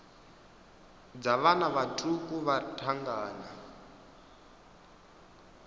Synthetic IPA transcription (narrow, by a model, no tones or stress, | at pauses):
d͡zaβanaβatʰʼukʼuβatʰaŋɡaːna